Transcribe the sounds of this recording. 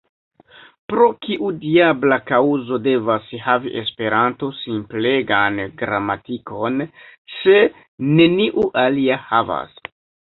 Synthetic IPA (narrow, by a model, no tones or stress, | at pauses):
pɾo̞kiʔudiablakauzo̞de̞vashaviʔe̞spe̞ɾanto̞simple̞ɡanɡɾamatiko̞nse̞ | nːe̞niʔuʔaliahava̰s